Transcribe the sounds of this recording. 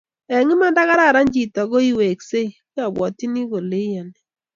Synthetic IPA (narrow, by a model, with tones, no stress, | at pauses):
ɛ˨ŋɪ˦ma˦nda˦ɣa˦ɾa˦˨ɾa˦ɲd͡ʒi˨tɔ˨ɣo˦i˦we˨kse˦i˨ki˦a˨bwɔ̰˨ti˦ni˦ɣo˨le˦ja˨ni˨